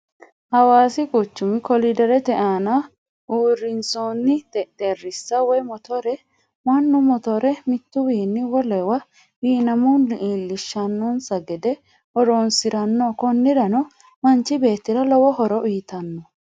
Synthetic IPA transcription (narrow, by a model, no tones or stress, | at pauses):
hɐwaːsɪkʼʊt͡ʃːʊmɪkɔlɪd̪ɛɾɛt̪ɛʔaːnɐ | uːɾːɪnsoːnːɪt̪ɛt̪eːrːɪsːɐwɔjmɔt̪ɔɾɛ | mɐnːʊmɔt̪ɔɾɛmɪt̪ːʊwiːnːɪwɔlɛwɐ | wiːnɐmɔnɪʔiːlːɪʃːɐnːɔnsɐɡɛd̪ɛ | ʔɔɾoːnsɪɾɐnːoːkɔnːɪɾɐnɔ | mɐnt͡ʃːɪbe̞ːt̪ːɪɾɐlɔwɔhɔɾɔʔiːt̪ɐnːɔ